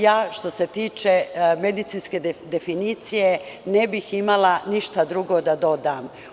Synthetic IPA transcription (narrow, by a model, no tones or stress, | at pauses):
jaːʃt̪o̞se̞t̪iːt͡ʃeme̞d̪it̪sinsked̪efiniːt̪sije̞nebiximalaniʃt̪ad̪ɾuɡod̪ad̪o̞d̪aːm